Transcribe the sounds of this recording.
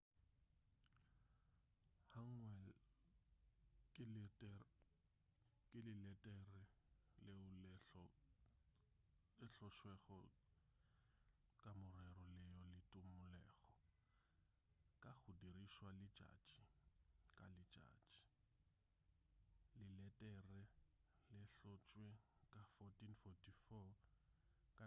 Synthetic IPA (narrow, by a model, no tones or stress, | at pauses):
haŋwɛl | kʼɪlɛtʼɛ | kʼɪlɪlɛtʼɛrɪl | ɔ | lɪɬɔʃwɛɣɔ | kʼamʊrɛrɔlɪjɔlɪtʼʊmʊlɛːɣɔ | kʼak͡xʰʊdiriʃwalɪd͡ʒa̰d͡ʒikʼa̰lɪ̥d͡ʒa̰̥ːd͡ʒi̥ | lɪlɛtʼɛrɛ | lɪɬɔt͡ʃʼwekʼafɔtʰʼinfɔtʰifɔ | kʼa